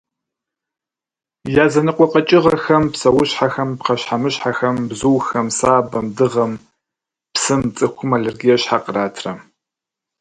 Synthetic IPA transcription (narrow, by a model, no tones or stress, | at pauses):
jaːzɐnɨqʷɔqʼɐt͡ʃʼɪʁɐxɐmpsɐwʊɕħaxɐmpqɐɕħamɨɕħaxɐmbzuːxɐmsaːbɐmdɨʁɐm | psɨmt͡sʼɨxʷʊmalerɡijɛɕħaqəraːtʰrɐ